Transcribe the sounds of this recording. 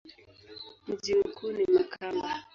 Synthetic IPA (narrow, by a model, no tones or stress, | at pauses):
m̩zim̩kʰunimakʰamba